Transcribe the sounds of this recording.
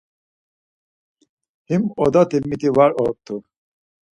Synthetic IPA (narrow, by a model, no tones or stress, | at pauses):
himɔd̪at̪imːit̪ʰivaɾɔt̪ʰːu